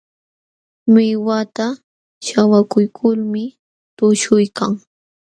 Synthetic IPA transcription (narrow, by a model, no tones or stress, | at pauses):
mɪwat̪a | ʃawakʊjkʰʊlmɪ | t̪ʊʃʊjkaŋ